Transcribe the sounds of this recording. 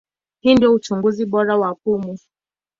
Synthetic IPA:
hindiɔut͡ʃuŋɡuzibɔɾawak̚umu

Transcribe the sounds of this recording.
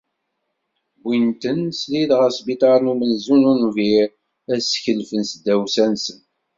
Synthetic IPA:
bint̪ənsliðʁəɾsbit̪ˤɑɾnumənzununviɾ | æsçəlfənsəd̪æwsænsən

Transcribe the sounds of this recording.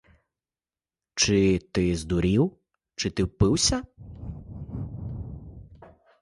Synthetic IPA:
t͡ʃɪt̪ɪzd̪uɾʲiw | t͡ʃɪt̪ɪwpɪwsʲɐ

